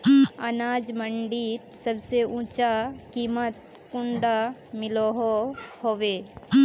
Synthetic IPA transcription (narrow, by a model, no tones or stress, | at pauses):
ɐnaːd͡ʒməɳɖiːt̪səbseũːt͡ʃakiːmət̪̚ | kʊ̃ɳɖamɪloɦohoːʋeː